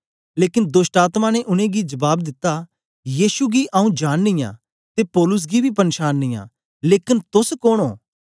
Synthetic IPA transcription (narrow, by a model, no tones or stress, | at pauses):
leːkɪnd̪ʊsʈaːt̪mãːneʔʊnẽːɡid͡ʒɐbaːb̚d̪ɪt̪ːa | jiːʃuɡiːʔaũːd͡ʒaːnːɪ̃jã̰ː | t̪eːpoːlʊs̬ɡibʱiːpɐnʃaːnːɪ̃jã̰ː | leːkɪnt̪ʊskoːnoː